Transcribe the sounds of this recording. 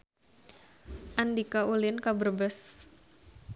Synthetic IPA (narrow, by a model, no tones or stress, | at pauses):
ʔandikaulɪnkabərbəs